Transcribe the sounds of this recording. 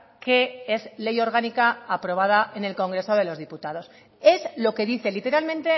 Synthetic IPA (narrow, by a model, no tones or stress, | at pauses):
ke̞e̞zle̞jo̞ɾɣ̞anikaːpɾo̞βað̞aʔe̞ne̞lko̞ŋɡɾe̞so̞ð̞e̞lo̞zðiput̪aðo̞s | e̞zlo̞ke̞ðiθe̞lit̪e̞ɾalmẽ̞nt̪e̞